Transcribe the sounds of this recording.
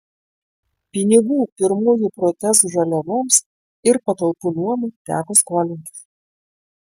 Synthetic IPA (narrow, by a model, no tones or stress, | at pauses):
pʲɪnʲɪɡuːpʲɪɾmuːjuˑpɾɔt̪ʲɛsuʒɐlʲɛʋoːms | ɪɾpɐt̪ɐlˠpuːnuɔmʊt̪ʲæ̰ːkoːskoːlʲɪnʲt̪ʲɪ̥s